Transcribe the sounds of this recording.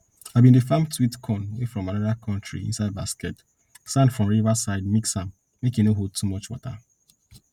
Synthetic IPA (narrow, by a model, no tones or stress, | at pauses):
aɪvbĩndefãmtʰwitkʰɔ̃nwefɹɔ̃manaɹiakʰɔ̃ntɹḭḭ̃nsaɪd̚baskɛt | sãndfɹɔ̃mɹivasaɪdmiksãm | mekinoɦod̚tʰumɔt͡ʃwɔta̰